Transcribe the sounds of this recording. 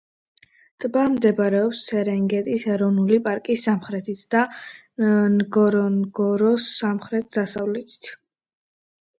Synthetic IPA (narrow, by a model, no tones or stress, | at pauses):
t̪ʼbamd̪ɛbɾɛɔpssʰɛɾɛŋɡɛt̪ʼisɛɾɔvnulipʼaɾkʼisamχɾɛt̪ʰit̪ʰd̪̥a | ɡɔɾɔnɡɔɾɔsːamχɾɛt̪̚ʰd̪asavlɛt̪ʰi̥t̪ʰ